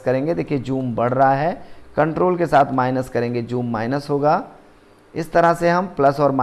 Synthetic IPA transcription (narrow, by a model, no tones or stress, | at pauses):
kɐɾẽːŋɡed̪eːkʰied͡ʒuːmbɐɽ̤ɾɐɦaɦɛːkɐ̃ɳʈɾoːlkesaːt̪ʰmaːɪnəskɐɾẽːŋɡed͡ʒuːmːaːɪnəsɦoːɡaː | ɪst̪ɐɾaseɦɐmplɐsɔːɾmaː